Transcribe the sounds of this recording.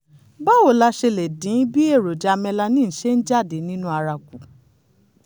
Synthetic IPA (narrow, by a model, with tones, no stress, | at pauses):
ba˦wo˨la˧ʃe˧le˨dĩ˨˦bi˦e˦˨ɾo˨d͡ʒa˨˧mɛ̃˧la˧nĩ˦n̩˨ʃe˦n̩˦d͡ʒa˦˨de˨˦nĩ˦nũ˦a˧ɾa˧ku˨